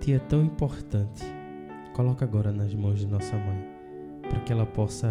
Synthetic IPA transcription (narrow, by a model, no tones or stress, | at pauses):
t̪iɐt̪ɐ̃w̃ĩpoɾt̪ɐ̃t̪ɪ̥ | kolɔkaɡɔɾɐnɐzmɐ̃w̃zd̪ɪnɔsɐmɐ̃j̃ | pɾɐkɪɛlɐpɔsɐ